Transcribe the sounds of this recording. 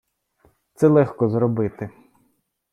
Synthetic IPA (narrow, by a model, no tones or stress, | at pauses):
t̪sɛlˠɛxkɔzɾɔbɪt̪ɪ